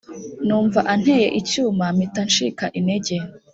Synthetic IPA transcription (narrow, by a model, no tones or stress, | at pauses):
nuːɱvaʔan̥hejḛʔicuːmamitanʃikaʔineɟe